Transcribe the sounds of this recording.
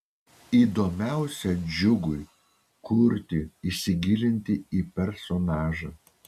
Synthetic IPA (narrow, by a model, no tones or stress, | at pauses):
iːd̪oːmʲæˑʊsʲɛd͡ʒʲʊɡʊɪ | kʊɾʲt̪ʲɪisʲɪɡʲɪlʲɪnʲt̪ʲɪiːpʲɛɾsɔnɑːʒɐ